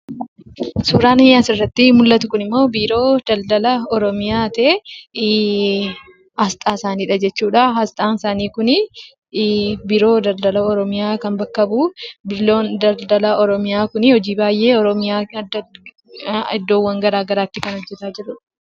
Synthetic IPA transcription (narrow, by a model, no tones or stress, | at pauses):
suːɾaːnɐjːaːsɪrːɐt̪ːɪmʊlːɐt̪ʊkʊnɪmːo̞ːbiːɾo̞ːd̪̥ɐld̪ɐlɐɔɾɔmɪjaːt̪ɐe | hɐst̪ʼaːɪsaːniːᶑɐd͡ʒɛt͡ʃːuːᶑɐɦɐst̪ʼaːnɪsaːniːkʊnɪ | biɾo̞ːd̪ɐld̪ɐlɐɔɾɔmɪjaːkɐnbɐkːɐbubɪlond̪ɐld̪ɐlɐɔɾɔmɪjaːkʊnɪhɔd͡ʒiːbaːjʔe̞ːɔɾɔmɪjaːɐd̪ːɐ | ɪd̪ːo̞ːwːɐŋɡɐɾaːɡɐɾaːt̪ːɪkɐnɔd͡ʒːɛt̪aːd͡ʒɪɾʊᶑɐ̥